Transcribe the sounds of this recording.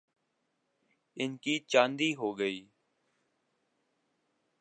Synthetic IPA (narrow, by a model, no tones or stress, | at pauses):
ɪnkiːt͡ʃãːnd̪iːɦoːɡəiː